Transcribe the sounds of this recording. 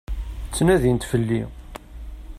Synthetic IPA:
t͡sːnæðint̪fəlːi

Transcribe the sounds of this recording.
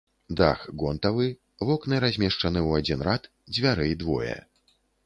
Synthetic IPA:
d̪a̰xɡɔnt̪ɐvɨ | vɔknɨɾazʲmʲɛʂt͡ʂɐnɨwad͡zʲinɾat̪ | d͡zʲvʲaɾɛjid̪vɔ̰jɛ̰

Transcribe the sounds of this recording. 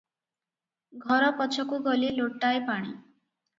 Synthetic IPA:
ɡʱɔɾɔpɔt͡ʃʰɔkuɡɔliloʈːaepaɽ̃ḭ

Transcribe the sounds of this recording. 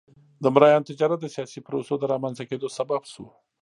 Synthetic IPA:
d̪əmɾɑjɑnt̪ɪd͡ʒɑɾat̪̚d̪əsjɑsipɾosod̪əɾɑmanzaked̪osababʃu

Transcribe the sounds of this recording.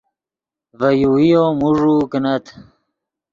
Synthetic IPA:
vɐjuijomuʐukənɐt̪ʰ

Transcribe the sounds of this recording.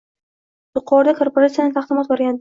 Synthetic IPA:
j̪ʊqʰɒɾd̪akʰoɾpoɾat̪sijanɪt̪ʰaχd̪ɪmɒt̪̚boɾɡʲand̪

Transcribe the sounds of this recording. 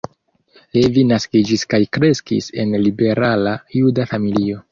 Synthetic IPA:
levinaskid͡ʒiskajkɾe̞skḭse̞nlibe̞ɾalajudafamilio̞

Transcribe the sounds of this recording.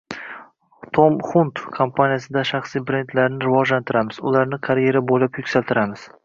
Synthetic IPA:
t̪ʰomχunt̪kʰompʰanijas̬ɪd̪aʃaχsijbɾe̞nd̪laɾnɪɾɪvɒʒlant̪ʰɪɾamɪz̥ʊ̰laɾnɪqʰaɾje̞ɾabolapjʊkʲsalt̪ʰɪɾamɪz̥

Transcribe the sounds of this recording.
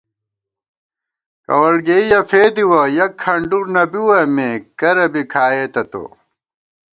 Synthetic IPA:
kɐ̰wɐɽɡeijɐfeːd̪iwɐjɐkʰːɐɳɖuɾnɐbiwɐmekɐɾɐbikʰaːeːt̪ɐt̪o̰

